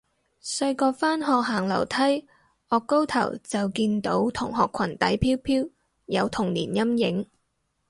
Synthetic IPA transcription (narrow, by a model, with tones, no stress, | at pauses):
sɐ˧ɥkɔː˧faː˥nɦɔː˨k̚ɦaː˨˩ŋlɐ̰˨˩wt̪ʰɐ˥j | ʔɔː˨kːo˥wt̪ʰɐ̰˨˩wt͡sɐ˨wkiː˧nt̪o̰˨˥wt̪ʰʊ˨˩ŋɦɔː˨kʰɐ˨˩nt̪ɐ˨˥jpʰiː˥wpʰiː˥w | jɐ˨˧wt̪ʰʊ˨˩ŋliː˨˩njɐ˥mjɪ˨˧˥ŋ